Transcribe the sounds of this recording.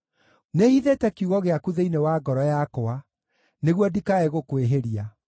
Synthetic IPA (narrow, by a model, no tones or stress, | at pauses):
nehiðetɛkiuɣɔɣeakuðeinewaɡɔɾɔjakɔa | neɣwɔdikaɛɣokweɦeɾia